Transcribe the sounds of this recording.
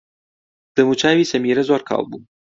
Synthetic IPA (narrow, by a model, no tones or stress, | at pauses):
d̪̥əmut͡ʃaːwisɐmiɾɐzaɾkʰɑ̰ːwbu